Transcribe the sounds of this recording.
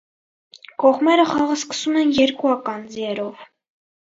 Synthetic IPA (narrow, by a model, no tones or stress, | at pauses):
kɔʁmɛɾəχɑʁəskə̥sumɛnjɛɾkuɑkɑnd͡ziɛɾɔv